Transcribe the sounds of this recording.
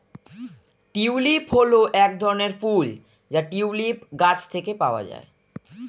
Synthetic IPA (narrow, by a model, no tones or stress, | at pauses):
ʈiwlipɦoloʔɛk̚d̪ʱɔɾoneɾful | d͡ʑaʈiwlipɡat͡ɕt̪ʰekepaoa̰d͡ʑa̰e